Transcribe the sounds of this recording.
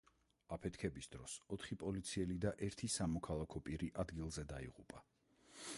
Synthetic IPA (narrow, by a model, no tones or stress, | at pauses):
apʰɛt̪ʰkʰɛbisd̪̥ɾɔsɔt̪ʰχipʼɔlit̪sʰiɛlid̪aʔɛɾt̪ʰisamɔkʰalˠakʰɔpʼiɾiʔad̪ɡilˠzɛd̪aiʁupʼa